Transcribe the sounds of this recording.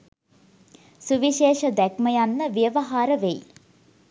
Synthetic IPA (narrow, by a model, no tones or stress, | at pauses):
suʋiʃeːʃɐd̪ɛkmɐjanːəʋjəʋɐɦaːɾəʋej